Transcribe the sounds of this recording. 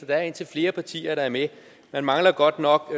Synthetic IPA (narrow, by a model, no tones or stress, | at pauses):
ɒd̥ɑ̈æɐe̝nt͡sʰe̝lfle̝ːɐpʰɑ̈t͡sʰḭːɐɾɑ̈æɐme | mænmɑ̈ŋlɐɡ̥ɒ̽d̥nɒ̽ɡ̥